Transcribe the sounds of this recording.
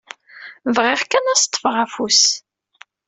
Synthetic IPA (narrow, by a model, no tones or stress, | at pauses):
vʁɪʁkːænæst̪ˤːəfʁafus